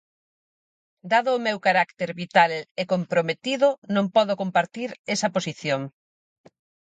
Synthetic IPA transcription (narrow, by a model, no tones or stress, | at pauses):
d̪aðʊːmewkaɾakt̪eɾβit̪alekompɾomet̪iðʊnõŋpɔðokompaɾt̪iɾesɐposiθjoŋ